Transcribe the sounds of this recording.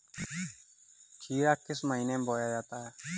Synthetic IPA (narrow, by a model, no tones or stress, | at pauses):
t͡ʃʰiːɾaːkːɪsməɦiːneːboːjaːd͡ʒaːt̪aːɦɛː